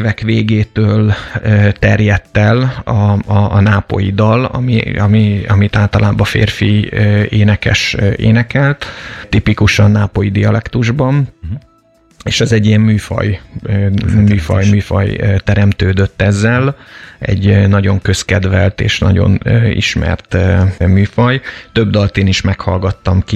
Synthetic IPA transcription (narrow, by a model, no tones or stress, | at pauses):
vɛkʋeːɡeːt̪øːløːt̪ɛrjɛt̪ːɛlɒːnaːpo̞̰jid̪ɒlɒ̰miɒmiɒmit̪aːlt̪ɒlʔaːbɒfḛːrfiøːeːnɛkɛ̰ʃeːnɛkɛlt̪t̪ipikuʃɒnnaːpojid̪iɒlɛkt̪uʒbɒn | eːʃɛzɛɟːijɛmːyːfɒ̰j | myːfɒjmyːfɒ̰jt̪ɛɾɛmt̪øːd̪ø̞t̪ːɛzːɛlɛ̰ɟnɒɟo̞ŋkøskɛd̪vɛlt̪ḛːʃnɒ̰ɟo̰nøːḭʃmɛ̰rt̪myːfɒjt̪ø̞bd̪ɒlt̪eːniʃmɛkhɒlɡɒt̪ːɒmki